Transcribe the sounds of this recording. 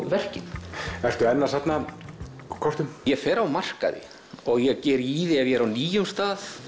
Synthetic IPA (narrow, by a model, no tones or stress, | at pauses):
vɛr̥cɪnɛr̥t̪ʏɛnːasap̪na | kʰɔɾ̥t̪ʏmjɛfɛːɾawmar̥ka̰ðɪ̰ | ɔɣjɛɣcɛːɾiːðɪavjɛɾawniːjʏmst̪aːθ